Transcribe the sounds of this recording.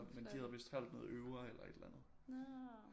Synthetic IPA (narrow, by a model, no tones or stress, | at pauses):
mmend̥ihæðˠʋe̝sd̥hæl̰d̥nɔ̽ːð̩ˠøʊɐelɐe̝d̥lænð̞̩ˠ